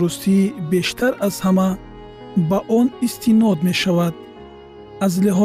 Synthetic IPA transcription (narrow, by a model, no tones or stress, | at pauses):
ɾust̪ʰibe̞ʃt̪ʰaɾaz̥hama | baʔɔnist̪ʰinɔd̪me̞ʃavad̪̚ | azliɦɔ